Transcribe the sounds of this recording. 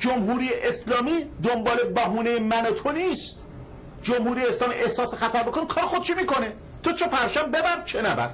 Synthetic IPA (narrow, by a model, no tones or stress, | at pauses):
d͡ʒomɦuːɾiːjeʔeslɒːmiːd̪ombɒːlebæɦuːnejemænot̪ʰoniːst̪ | d͡ʒomhuːɾiːjeeslɒːmḭʔe̞hsɒːsexæt̪ʰæɾbokʰonkʰɒːɾexod̪̚t͡ʃʰemiːko̞ne | t̪ʰot͡ʃʰepʰæɾʃæmbebæɾd̪̚t͡ʃʰenæbæ̰ɾ